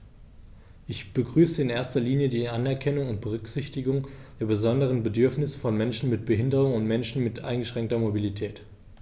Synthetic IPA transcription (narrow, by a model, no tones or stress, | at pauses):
ʔɪçb̥əɡʁyːsəɪnʔeːɐstɐliːnjədiːʔanɛɐkʰɛnʊŋʊnt̚b̥əʁ̞ʏkz̥ɪçtɪɡʊŋd̥eːɐbəzɔndəʁ̞ənbədʏɐfnɪsəfɔnmɛnʃn̩mɪt̚b̥əɦɪndəʁ̞ʊŋʊntmɛnʃn̩mɪtʔa̰ɪnŋɡəʃʁ̥ɛŋktɐmobilitʰɛːt